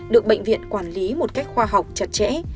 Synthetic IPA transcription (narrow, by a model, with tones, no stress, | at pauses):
ɗɨ˨˩ək̚ɓə̰˧˨ŋ̟vḭ˧˨ənkwaː˧˩nli˨˦mo˨˩t̚ka˦˥jk̟̚xwaː˧ɦa˨˩wk͡p̚t͡ɕə˨˩t̚t͡ɕɛ̰˧˥